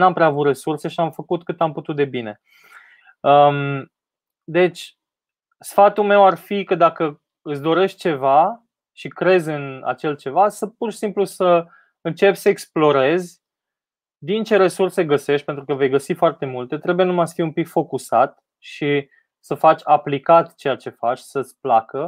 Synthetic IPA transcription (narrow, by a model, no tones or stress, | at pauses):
nampɾeaːvut̪re̞surse̞ʃiamfəkut̪kɨt̪amput̪ut̪̚d̪e̞bine̞ | ə | d̪e̞t͡ʃʲ | sfat̪ume̞warfikəd̪akə | ɨsd̪o̞ɾe̞ʃt̪̚t͡ʃe̞va | ʃikɾe̞zɨna̰t͡ʃe̞lt͡ʃe̞vasəpurʃi̥simplusə | ɨnt͡ʃe̞psəeksplo̞ɾe̞zʲ | d̪int͡ʃe̞ɾe̞surse̞ɡəse̞ʃt̪̚ʲpent̪ɾukəve̞jɡəsifoart̪e̞mult̪e̞t̪ɾe̞buje̞numajsfiumpikfo̞kusat̪ | ʃi | səfat͡ʃʲaplikat̪t͡ʃe̞jat͡ʃe̞fat͡ʃʲsət̪sʲplakə